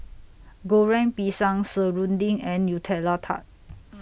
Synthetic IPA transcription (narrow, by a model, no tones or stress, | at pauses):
ɡoɹɛ̃ŋpisãŋsəɹũndĩŋɛ̃njutʰɛlatʰa̰t̚